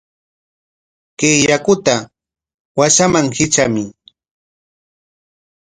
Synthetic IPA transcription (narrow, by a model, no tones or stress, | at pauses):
kejakʊt̪a | waʃamaŋhɪt͡ʃamɪ